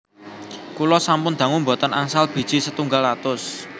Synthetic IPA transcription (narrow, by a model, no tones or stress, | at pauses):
kulɔsampʊnd̪̥ä̤ŋʊmbɔt̪ɔnaŋsalb̥i̤d̥ʒ̥isət̪uŋɡalat̪ʊs